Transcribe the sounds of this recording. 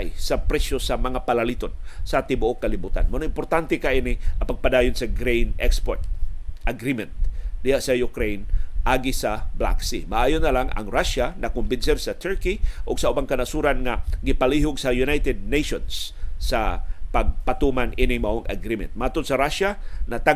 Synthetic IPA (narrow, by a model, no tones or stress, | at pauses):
jsapɾɛsjosamɐŋapalalit̪onsat̪ɪbʊʔokːalɪbuːt̪a̰nmanoɪmpoɾt̪ant̪ɛkaʔinɪapaɡ̚pad̪aːjʊnsaɡɾejnʔɛkspoɹt̪̚ʔaɡɾimɛnt̪̚d̪ɪhaʔsajʊkɾejnʔaɡɪsabla̰ksimaʔaːjonːalaŋa̰ŋɾaʃanakʊmbɪnsɛɾsat̪ʰɛɹkiʔʊɡ̥saʔubaŋkanasuɾanŋaɡɪpaliɦʊɡsajunajt̪ɛd̪̚neʃonsːapaɡ̚pat̪umanʔinɪŋmaʔoŋa̰ɡɾimɛ̰nt̪̚maat̪ʊd̪saɾaʃanat̪a